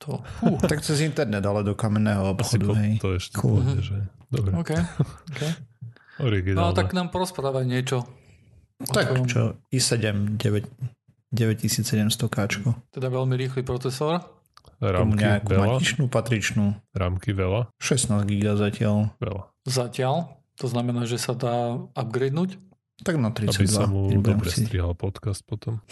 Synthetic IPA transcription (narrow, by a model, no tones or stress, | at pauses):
t̪ʰɔfut̪akt͡sɛzint̪ɛɾnɛd̪alɛd̪ɔkamɛnːɛːɦɔɔpxɔd̪uɦɛjt̪ɛʃɛʒɛd̪ɔbɾɔkɛkɛ | ɔɾiɡinat̪aknaːmpɔɾɔspɾaːʋaɲɪɛt͡ʃɔ | t̪akt͡ʃɔ̰isɛɟɛmɟɛʋɛc | ɟɛʋɛcisiːt͡ssɛɟɛmst̪ɔkaːt͡ʃkɔt̪ɛd̪aʋɛʎmiɾiːxlipɾɔt͡sɛsɔɾ | ɾa̰muɲɛakuɛmalit͡ʃnuːpat̪ɾit͡ʃnuːɾa̰ːmkiʋɛlaʃɛsnaːzɡiɡlazacɪalʋɛ̰la | zacɪal | t̪ɔznamɛnaːʒɛsad̪aːab̚ɡɾɛjd̪nuːc | t̪aɡnat̪ɾiat͡said̪amuɛbɔɛmɾɛssit̪ɾiɦalpɔt̪kast̪̚pɔt̪ɔm